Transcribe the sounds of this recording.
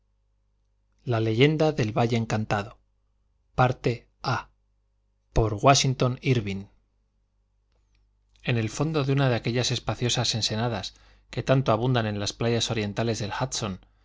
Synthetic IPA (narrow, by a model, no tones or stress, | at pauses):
lale̞ʝe̞nd̪aðe̞lβaʎe̞ːŋkant̪aðo̞ | paɾt̪e̞ | a | po̞ɾɣwaʃint̪o̞niɾβin | e̞ne̞lfo̞nd̪o̞ðeunaðe̞ake̞ʎase̞spaθjo̞sase̞nse̞nað̞as | ke̞t̪ant̪oaβund̪anẽ̞nlasplaʝaso̞ɾje̞nt̪ale̞zðe̞lxat̪so̞n